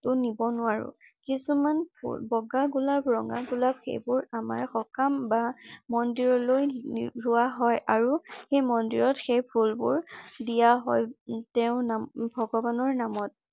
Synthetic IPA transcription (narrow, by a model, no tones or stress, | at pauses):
tʊnibɔnʊwaɹʊ̰kisumanpṵbɔɡaɡulabɹɔŋɡa̰ɡulap̚xḛjbʊɹama̰ɹxɔkambamɔndiɹɔlojɹʊwaɦɔjʔaɹuxejmɔndiɹɔtxejpʰulbʊ̰ɹdijaɦɔjtɛʊ̃nabʱɔɡɔbanɔɹnamɔt̚